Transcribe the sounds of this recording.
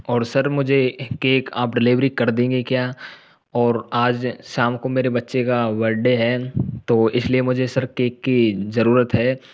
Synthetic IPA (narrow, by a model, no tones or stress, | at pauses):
ɔːɾsɐɾmʊd͡ʒʱekeːkaːpɖɪlɪːʋɾikɐɾd̪ẽːɡekjaː | ɔːɾaːd͡ʒʃaːmkomeːɾebɐtːʃekaʋɐɾɖeɦɛːt̪oːɪsliemʊd͡ʒʱesɐɾkeːkːizɐɾuːɾət̪ɦɛː